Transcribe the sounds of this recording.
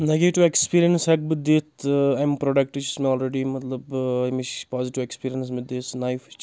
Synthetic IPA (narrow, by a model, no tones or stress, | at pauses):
neɡeʈiʋekspiːɾijənshɛk̚bɨd̪eːt̪ʰajmpɾoɖɐk̚ʈit͡ʃʰi̥smeɔːlɾeɖimɐt̪lɐbmit͡ʃpɔːziʈiʋekspiːɾijəns̬mɪd̪eːsnajft͡ʃʰ